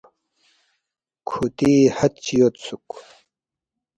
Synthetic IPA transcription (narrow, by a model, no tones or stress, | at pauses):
kʰut̪ihɐt̪̚t͡ɕijot̪suk